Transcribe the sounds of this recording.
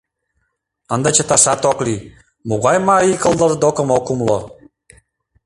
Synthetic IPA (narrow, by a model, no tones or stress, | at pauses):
ə̆nd̪ɑt͡ɕə̆t̪ɑʃɑt̪okli | muɣɑjmɑikəlˠd̪ɤ̆ɾd̪okə̆mokumlo